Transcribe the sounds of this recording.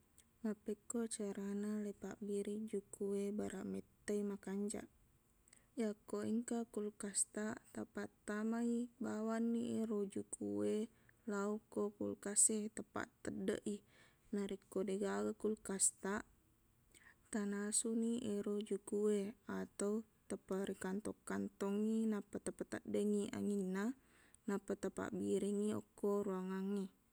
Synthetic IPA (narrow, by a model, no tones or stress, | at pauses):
mapekːot͡ʃaɾanalepa̰ʔbiɾid͡ʒukuwebaɾaʔmɛt̪ːeimakaɲd͡ʒa̰ʔ | jakːoiŋkakulkast̪aʔt̪əpat̪ːamaibawanːieɾod͡ʒukʰuwe | laukːokṵlkaset̪əpa̰t̪ːədːə̰ʔi | naɾikːodeɡaɡəkulkast̪aʔ | t̪anasuniʔeɾod͡ʒukueat̪au | t̪əpaɾikant̪ɔkːant̪ɔŋinapat̪əp̪at̪aʔdəŋiʔa̰ŋina | napat̪apa̰ʔbiɾiŋiɔ̰kːoɾuaŋaŋi